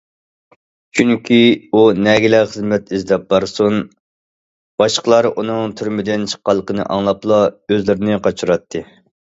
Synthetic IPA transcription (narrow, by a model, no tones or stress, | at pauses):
t͡ʃʰyŋkʲʰiunɛɡʲɪlɛχəzmɛt̪izd̪ɛp̚bɑɾsun | b̥ɑʃqəlˠɑɾunɨŋt̪ʰyɾmɪd̪ɪnt͡ʃʰə̥qːɑlˠːəqʰənɨ̰ʔɑ̰ŋlˠɑplˠɑøzlɪɾɪnɪqʰɑt͡ʃʰuɾɑt̪ʰːɨ